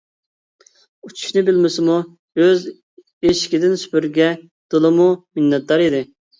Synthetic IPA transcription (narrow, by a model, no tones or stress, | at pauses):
ut͡ʃʰu̥ʃnɨbɪlmɪsɪmu | øz | eʃɪ̥kʲid̪ɪnsy̥pyɾɡʲɛ | d̪̥olˠɨmumɪnːɛt̪̚d̪ɑɾid̪ɪ